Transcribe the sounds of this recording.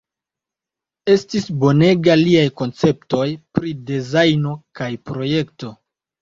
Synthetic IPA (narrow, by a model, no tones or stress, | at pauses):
e̞stisbo̞ne̞ɡaliajko̞nt͡se̞p̚to̞jpɾidezajno̞kajpɾo̞je̞kto̞